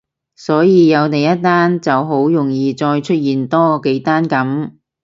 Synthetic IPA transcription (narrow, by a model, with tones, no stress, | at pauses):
sɔː˨˥jiː˨˧jɐ˨˧wt̪e˨˩jɐ˥t̚t̪aː˥nt͡sɐ˨wɦo˨˥wjʊ˨˩ŋjiː˨˧t͡ʃɔː˧jt͡ʃʰɵ˥t̚jiː˨nt̪ɔː˥ke˨˥jt̪aː˥nkɐ˨˥m